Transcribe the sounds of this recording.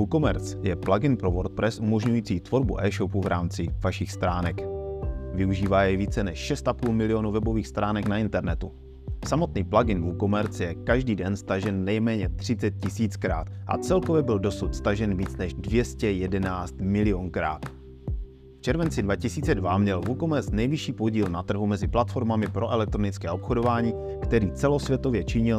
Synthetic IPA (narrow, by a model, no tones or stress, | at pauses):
vuko̞mɛɾt͡sjɛplaɡɪnpɾovoɾt̪̚pɾɛsʔumo̞ʒɲujiːt͡siːt̪vo̞ɾbṵʔɛːʃopuvɾʔaːmt͡sɪvaʃɪxst̪ɾaːnɛk | vɪuʒiːvaːjɛviːt͡sɛnɛʃʃɛst̪apuːlmɪlɪo̞nuvɛbo̞viːxst̪ɾʔaːnɛknaɪnt̪ɛɾnɛt̪u | samo̞t̪niːplaɡɪnvuko̞mɛɾt͡sjɛkaʒdiːdɛnst̪aʒɛnːɛjmɛːɲɛt̪r̝̥ɪt͡sɛt̪̚cɪsiːt͡skɾa̰ːt̪ʔa̰t͡sɛlkovjɛbɪldo̞sut̪st̪aʒɛnviːt͡snɛʒdvjɛscɛjɛdɛnaːt͡st̪mɪlɪonkɾa̰ːt̪ | ft͡ʃɛɾvɛnt͡sɪdvacɪsiːt͡sɛdvamɲɛlvukomɛɾt͡snɛjvɪʃiːpo̞ɟiːlnat̪r̩ɦumɛzɪplat̪fo̞ɾmamɪpɾʔo̞ʔɛlɛk̚t̪ɾonɪt͡skɛːo̞pxodo̞vaːɲiː | kt̪ɛɾiːt͡sɛlo̞svjɛt̪o̞vjɛt͡ʃɪɲɪl